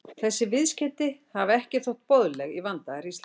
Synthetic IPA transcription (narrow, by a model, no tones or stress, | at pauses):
θɛsːɪvɪðscɛt̪ɪhavɛhcɪθɔht̪̚poðlɛɣivant̪aɾis